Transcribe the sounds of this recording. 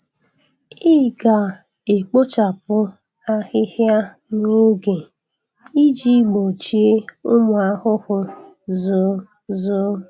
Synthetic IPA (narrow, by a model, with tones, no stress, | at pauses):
i˦˨ɡa˨ | e˨k͡po˦t͡ʃa˨pʊ˦ | a˦ɣɪ˦hja˦ | no˦ɡe˨ | i˦d͡ʒi˦ɡ͡bo˨t͡ʃi˦e˦ʊ˦mʊ˨a˦hʊ˦hʊ˦ | zʊ˨ | zʊ˦